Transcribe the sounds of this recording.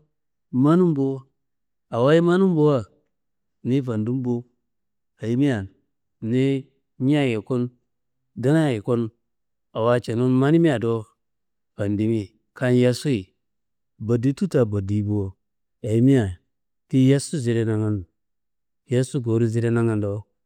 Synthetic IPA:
ma˦nu˦mbo˦ | a˨wa˦i˦ma˦nu˦m˦bo˦wa˦ | ni˦va˨ndu˦m˦bo˦ | a˨i˦mi˦a˨ | ni˦ | ɲ˦a˦˨je˨ko˦n | da˦na˦je˨ko˦n | a˨wa˦t͡ʃe˨no˦nma˦ni˦mi˦a˨do˦ | va˨ndi˦mi˦ | ka˦nja˦su˦i˨ | ba˨di˦tu˦ta˨bo˨di˨˦bo˨wo˨ | a˨i˦mi˦a˨ | ti˦ja˦su˦zi˨ɾe˦na˨ŋa˦n˨ | ja˦su˦ɡo˨ɾu˦zi˦ɾe˦na˦ŋa˦ndo˦

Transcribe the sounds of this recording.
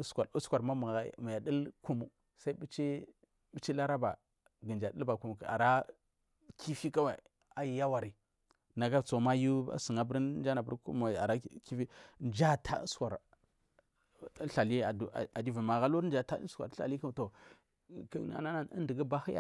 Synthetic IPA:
skʷa˨ɾu˦skʷa˨ɾma˦m˨ma˨ja˨ɗə˦lku˦mu˨ | sa˦i˦bi˦t͡ʃi˦ | bi˦t͡ʃi˦la˦ɾa˦ba˨ | ɡə˨nd͡ʒa˨də˦lba˨ku˨mu˨ka̰˨ɾa˦ | kʰi˦fi˦ka˦wa˨ | a˨ji˨ja˦wa˨ɾi˨ | na˨ɡa˦˨t͡so˨˦ma˦ju˦a̰˦sə˨ŋa˨bɾnd͡ʒa˦na˨bə˦ɾṵ˦ma˨a˨ɾa˦ki˦fi˦nd͡ʒa˦tʰa̰˦skʷa˨ɾ | ɬa˨li˦a˨du˨a̰˨a˨di˦vi˨ma˨ɣa˦lo˦ɾn˦d͡ʒa˨ta̰˦skʷa̰˨˦ɬa̰˨li˦ka˦m˨to˨ | kna̰˨na˦na˦ə̰˦ndə˨ɡə˦ba˦hi˦ja̰˦

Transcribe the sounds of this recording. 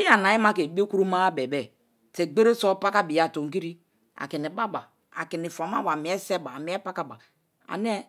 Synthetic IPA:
i˦a˨na˨ji˦ma˦ke˨bi˦o˦ku˦ɾu˦ma˦bɛ˨bɛ˨ | te˨ɡ͡be˦ɾe˦so˦pa˦ka˦bi˨ja˨to˨ŋ˨ki˦ɾi˦ | a̰˨ki˨ni˨ba˦ba˨ | a̰˨ki˨ni˨fa˨m˦a˦wa˨mi˨˦ɛ˦sɛ˦ba˨mi˨˦ɛ˦pa˦ka˦ba˨ | a̰˨n˦ɛ˦

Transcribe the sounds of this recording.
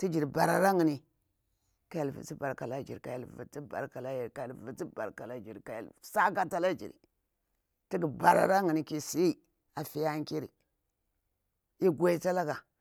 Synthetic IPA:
ti˦d͡ʒi˨ɾba˨ɾa˨ɾa˦ŋi˨ni˨ | ka˦ja˨lvḭ˨t͡si˦ba˨ɾka˨la˦d͡ʒḭ˨ɾka˨ja˨lvḭ˨ti˦ba̰˨ɾka˨la˦ji˨ɾka˨ja˨vi˨t͡si˦ba̰˨ɾka˨la˦d͡ʒi˨ɾka˨ja̰˨lsa˦ka˦ta˦la˦d͡ʒḭ˨ɾḭ˨ | ti˦ɡi˨ba˨ɾa̰˨ɾa˦ŋi˨ni˦ki˦si˦ | a˨fi˦ja˦ŋ˦ki˦ɾḭ˨ | i˦ɡʷa˦i˦ta˦la˦ka˨

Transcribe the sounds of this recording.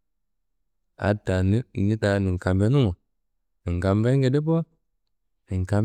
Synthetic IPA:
a̰˨da˨ni˦˨ɲi˦ta˨˦ni˨ŋ˨ka˨mbe˦nu˦mo˨ | ni˨ŋ˨ɡa˨mve˦ɡe˨de˦po˦ | ni˨ŋka˧m

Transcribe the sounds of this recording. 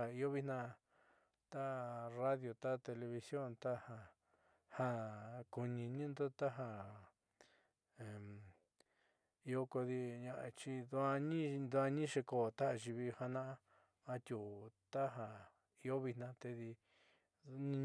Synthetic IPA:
a˨i˧o˦βi˦nã˦˧ | t̪a˦ra˦ðjo˨t̪a˦˧t̪e˧le˧βi˧sjo˦˨nt̪a˦hã˧ | hã˦ku˧nĩ˧nĩ˦nd̪o˦t̪a˦ɦa˧ | ẽ˨ | i˧o˦ko˧ði˧ɲã˧ʔa˧t͡ʃi˧d̪u˧a˧ɲĩ˦d̪u˧a˧ɲĩ˦ʃe˧ko˨t̪a˦ʔa˧ʒi˧βi˧ha˧nã˦ʔa˦ | ã˧t̪ʲu˨t̪a˦ɦa˧ | i˧˦o˦βi˧nnã˧t̪e˧ði˧˦ | ɲĩ˧

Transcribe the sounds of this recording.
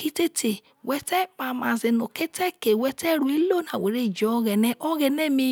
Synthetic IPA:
ki˦te˦te˨ | wɛ˧tɛ˦pa˧˨ma˨ze˧no˨ke˦tɛ˦ke˨wɛ˧tɛ˦ɾu˦i˦lo˦˨na˨we˨ɾe˦i˨d͡ʒɔ˨˦˧ɣɛ˨nɛ˦ʔɔ˦ɣɛ˧nɛ˦mĩ˧

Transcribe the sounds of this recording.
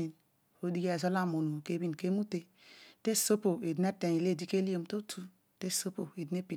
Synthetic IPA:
i˨n | o˦di˦ɡe˦˨zɔ˦la˦˨mo˨nu˨ke˦bi˦n˨ke˦mu˦te˨ | te˦˨so˦po˨e˨di˦ne˦te˨i˨le˦˨di˦ke˦li˦o˨m˨to˦tʰu˦ | te˦so˦po˨e˨di˨˦e˦pi˨

